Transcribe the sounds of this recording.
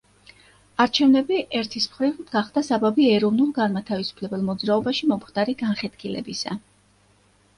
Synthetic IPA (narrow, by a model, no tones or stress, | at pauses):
aɾt͡ʃʰɛvnɛbiʔɛɾt̪ʰismχɾivɡaχd̪asababiɛɾɔvnulˠɡanmat̪ʰavisu̥pʰlɛbɛlˠmɔd̪zɾaɔbaʃimɔmχd̪̥aɾiɡanχɛt̪kʰilɛ̰bisa̰